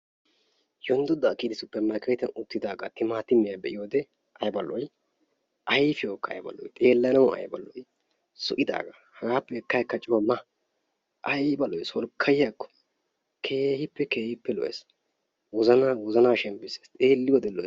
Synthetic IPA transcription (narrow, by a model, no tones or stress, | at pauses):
jɔnd̪ɔd̪ɐːkiːd̪ɪsʊpːɛɾmɐɾkɐjt̪ɐnʊt̪ːɪd̪aːɡat̪ɪmaːt̪ɪmːɪjabɛʔɪjoːd̪ɛ | ʔɐjbɐlːɔj | ʔɐjfɪjoːkːɐɐ̰jbɐ̰lːɔ̰jt̪ʼeːlːɐnɐwɐ̰jbɐ̰lːɔj | sɔʔɪd̪a̰ːɡa | hɐɡaːpːɛɛkːɐjkːɐt͡ʃʼɪwɐmːɐ | ʔɐjbɐlːɔjsɔlkʰːɐjɪjɐkːɔ̥ | kʰeːhɪpːɛkeːhɪpːɛlɔ̰ʔḛs | wɔzɐnawɔzɐnaːʃɛmbɪseːst̪ʼeːlːɪwɔd̪ɛlːɔ